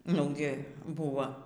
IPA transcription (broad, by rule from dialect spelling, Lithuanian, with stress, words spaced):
ˈnʊɡʲɪ ˈbʊʋɐ